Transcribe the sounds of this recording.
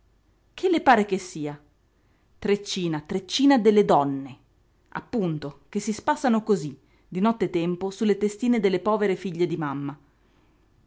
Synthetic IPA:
kʰelːepaːɾekesːiːa | t̪ɾet͡ʃːiːnat̪ɾet͡ʃːiːnad̪elːed̪ɔnːe | a̰pːunt̪ok̟esːispasːanokozi | d̪inɔt̪ːet̪ɛmposulːet̪est̪iːned̪elːepɔːveɾefiʎːed̪imamːa

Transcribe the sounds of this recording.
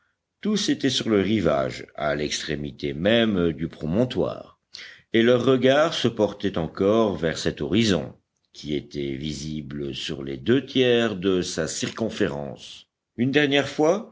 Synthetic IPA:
t̪uset̪ɛsyʁləʁiva̰ʒa̰lɛkst̪χemit̪emɛmd̪ypχɔmɔ̃t̪wa̰ːʁ | elœʁːəɡaʁsəpɔʁt̪ɛt̪ɑ̃kɔʁvɛʁsɛt̪ɔʁizɔ̰̃ | kʲʰiet̪ɛvizibləsyʁlḛd̪øt̪jɛʁd̪əsasiʁkɔ̃feʁɑ̰̃ːs | ynd̪ɛʁnjɛʁfwa

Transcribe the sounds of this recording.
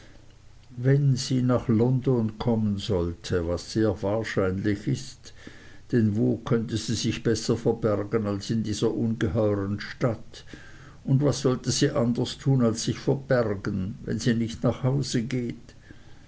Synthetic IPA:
vɛnz̥iːnaχlɔndɔnkʰɔmənzɔltʰəvasːeːɐvaːɐʃaɪnlɪçɪst | d̥ɛnvoːkʰœntəz̥iːzɪçb̥ɛsɐfɛɐbɛʁɡənalsɪndiːz̥ɐʔunɡəɦɔʏʁənʃtat | ʊndvasz̥ɔltəziːʔandəstʰuːnalsːɪçfɛɐb̥ɛʁɡənvɛ̰nziːnɪçtnaχhaʊz̥əɡeːt

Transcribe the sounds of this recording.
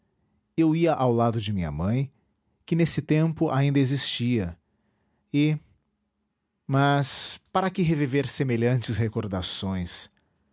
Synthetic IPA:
ewiɐʔawlad̪ʊd͡ʒɪmĩɲɐ̰mɐ̃j̃ | kɪnesɪt̪ẽmpʊʔa̰ĩnd̪ɐezist͡ʃiɐ | ɪ | mɐspaɾɐkɪɦeviveɾsemeʎɐ̃nt͡ʃɪshekoɾd̪asõj̃s

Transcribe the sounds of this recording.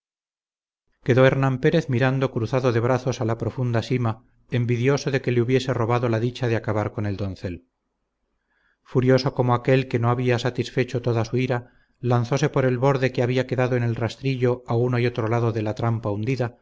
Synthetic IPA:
ke̞ðo̞eɾnãmpe̞ɾe̞θmiɾand̪o̞kɾuθaðo̞ðe̞β̞ɾaθo̞salapɾo̞fund̪asima | e̞mbiðjo̞soðe̞ke̞leuβje̞se̞ro̞βaðo̞laðit͡ʃaðeakaβaɾko̞ne̞ld̪o̞nθe̞l | fuɾjo̞so̞ko̞moake̞lke̞no̞aβiasat̪isfe̞t͡ʃo̞t̪o̞ðasuiɾa | lanθo̞se̞po̞ɾe̞lβo̞ɾðe̞keaβiake̞ðaðoene̞lrast̪ɾiʎoaunoio̞t̪ɾolaðo̞ðe̞lat̪ɾampaund̪iða

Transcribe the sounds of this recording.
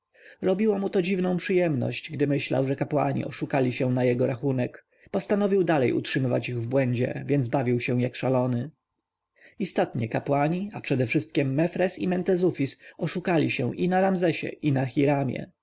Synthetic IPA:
ɾɔbʲiwamut̪ɔd͡ʑivnɔ̃w̃pʂɘjɛmnɔ̰ɕt͡ɕɡd̪ɘmɘɕla̰wʐɛkapwa̰ɲḭʔɔʂukalʲiɕɛw̃najɛɡɔɾaxunɛk | pɔst̪anɔvʲiwd̪alɛ̰jʔṵtʂɘmɘva̰t͡ɕiɣvbwɛɲd͡ʑɛ̰vʲjɛnd̪zbavʲiwɕɛ̃jakʂalɔnɘ | ist̪ɔt̪ɲɛkapwaɲiapʂɛd̪ɛfʂɘst̪̚kʲɛmːɛfɾɛsimɛnt̪ɛzufʲisɔʂukalʲiɕɛ̰̃ʔinaɾamzɛɕɛ̰ʔinaxʲiɾamʲjɛ̰

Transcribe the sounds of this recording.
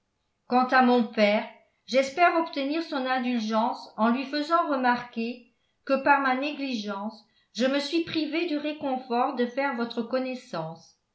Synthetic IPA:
kɑ̃t̪amɔ̃pɛːʁ | ʒɛspɛʁɔpt̪əniːʁsɔ̃nɛ̃d̪ylʒɑ̃sɑ̃lɥifəzɑ̃ʁəmaʁke | kəpaʁmaneɡliʒɑ̃s | ʒ̥əməsɥipχived̪yʁekɔ̃fɔʁd̪əfɛːʁvɔt̪χəkɔnɛsɑ̃s

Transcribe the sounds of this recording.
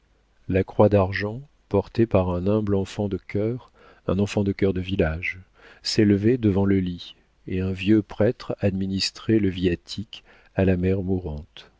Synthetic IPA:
lakχwad̪aʁʒɑ̃ | pɔʁt̪epaʁɛ̃nɛ̃blɑ̃fɑ̃d̪əkʲœʁ | ɛ̰̃nɑ̃fɑ̃d̪əkʲœʁd̪əvilaʒ | seləved̪əvɑ̃ləli | eɛ̃vjøpχɛt̪χad̪minist̪χeləviat̪ʰik | alamɛʁmuʁɑ̃t̪

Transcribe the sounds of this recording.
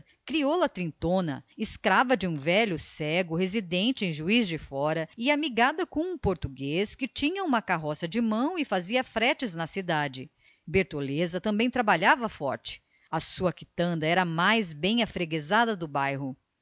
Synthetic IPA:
kɾiolɐt̪ɾĩt̪õnɐ̰ɪskɾavɐd͡ʒɪũvɛʎʊsɛɡʊhezid̪ẽnt͡ʃɪẽj̃ʒuizd͡ʒɪfɔɾɐɪamiɡad̪ɐkõũpoɾt̪uɡeskɪt͡ʃĩɲɐũmɐkaɦɔsɐd͡ʒɪmɐ̃w̃ɪfaziɐfɾɛt͡ʃɪznɐsid̪ad͡ʒɪ | beɾt̪olezɐt̪ɐ̃mbẽj̃t̪ɾabaʎavɐfɔ̰ɾt͡ʃɪ̥ | ɐsuɐkit̪ɐ̃nd̪ɐɛɾɐmajzbẽj̃ɐfɾeɡezad̪ɐd̪ʊbajɦʊ

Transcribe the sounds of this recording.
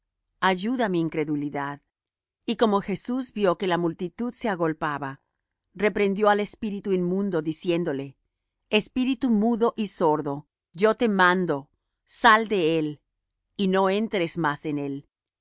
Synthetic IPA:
aʝuðamiːŋkɾe̞ðuliðað | iko̞mo̞xe̞suzbjo̞ke̞lamult̪it̪uðse̞aɣo̞lpaβa | re̞pɾe̞nd̪jo̞ale̞spiɾit̪uinmũnd̪o̞ðisje̞nd̪o̞le̞ | espiɾit̪umuðo̞ʔiso̞ɾðo̞ | ʝo̞t̪e̞mãnd̪o̞ | sald̪e̞el | ino̞e̞nt̪ɾe̞zmasene̞l

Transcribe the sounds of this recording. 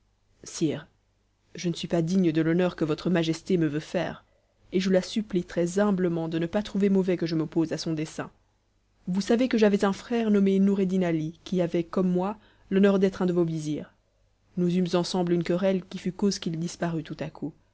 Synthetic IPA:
siːʁ | ʒənəsɥipad̪iɲəd̪əlɔnœʁkəvɔt̪χəmaʒɛst̪eməvøfɛ̰ːʁ | eʒəlasyplit̪χɛzɛ̃bləmɑ̃d̪ənəpat̪χuvemɔvɛkəʒəmɔpozasɔ̃d̪esɛ̃ | vusavekəʒavɛzɛ̃fχɛʁnɔmenuʁed̪inalikʲiavɛkɔmːwa | lɔnœʁd̪ɛt̪χɛ̃d̪əvoviziːʁ | nuzymzɑ̃sɑ̃blynkəʁɛlkʲifykozkʲild̪ispaʁyt̪ut̪akʰu

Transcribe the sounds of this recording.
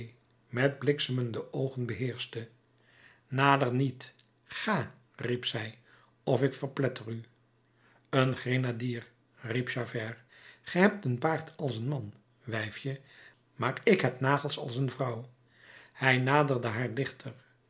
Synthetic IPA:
j | mɛd̚blɪksəməndəowχənbəɦɪːɹstə | naːdəɹnit | χaː | ripsɛj | ɔfɪkfəɹplɛtəry | ənχrenadiːr | ripʃavɛɹ | χɛɦɛp̚tənpaːɹtʰɑlˠsənmɑn | ʋɛjfjə | maːrɪkɦɛpnaːχəlˠsɑ̰lˠsənvrɑw | hɛjnaːdəɹdəɦaːɹdɪχtʰəɹ

